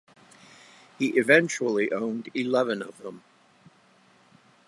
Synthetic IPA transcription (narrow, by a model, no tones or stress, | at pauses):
hiʔɨvɛ̃nt͡ʃul̩ˠiʔõʊ̃ndilɛvɨ̃nʌv̥ðə̃m